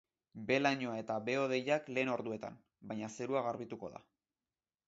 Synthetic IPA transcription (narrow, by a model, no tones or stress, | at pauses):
be̞laɲoae̞t̪aβe̞o̞ð̞e̞jakle̞ːno̞ɾðue̞t̪a̰m | bajɲase̞ɾuaɣaɾβit̪uko̞ða̰